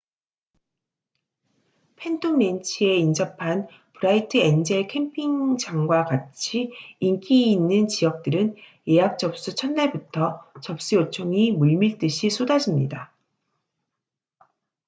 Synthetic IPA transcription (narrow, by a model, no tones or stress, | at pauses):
pʰe̞ndʰume̞nt͡ɕʰie̞ind͡ʑʌpʰan | pɯɾaitʰɯe̞nd͡ʑe̞kʰe̞mpʰiŋd͡ʑaŋɡwaɡat͡ɕʰiːnk͈ʰiinːɯnt͡ɕijʌk̚t͈ɯɾɯn | je̞ɦap̚t͡ɕ͈ʌp̚s͈ut͡ɕʰʌnːaɭbutʰʌt͡ɕʌp̚ɕ͈iot͡ɕʰoŋimuɭmiɭt͈ɯɕʰisʰodad͡ʑimɲida